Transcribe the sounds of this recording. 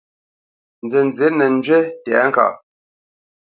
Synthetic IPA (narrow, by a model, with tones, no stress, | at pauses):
n̩˨d͡ze˨n˨d͡ze˨˦nɛ˨n̩˦d͡ʒɥe˦tɛ˨˦ŋ̩˦ka̰˨